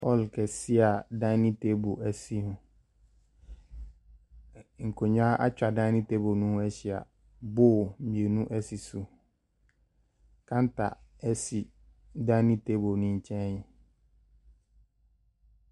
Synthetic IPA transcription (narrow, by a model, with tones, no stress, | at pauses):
pʰɔ˦˨lkʰɛ˨si˦a˨dã˦nĩ˦te˦bo˨ʔæ˨si˦nʊ̃˨ | ŋ̩˨kʰo˨ɲ˦a˦ʔa̰˦t͡ɕᶣa˨dã˦nɪ̃˦te˦bo˨nũ˦ɛ˦ɕi˨a̰˨ | bo˦m̩˨ĩ˨e˨nũ˦ʔɛ˦si˨su˨ | kʰã˦n˦tʰa̰˨ɛ˦si˨ | dã˦nĩ˦te˦bo˨nʊ̃˦ɲ̩˨t͡ɕʰɛ̃˦j